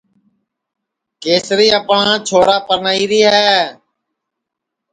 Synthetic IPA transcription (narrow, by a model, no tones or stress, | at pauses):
keːsɾiːəpɳãːt͡ʃʰoːɾaːpəɾnaːiːɾiːɦɛː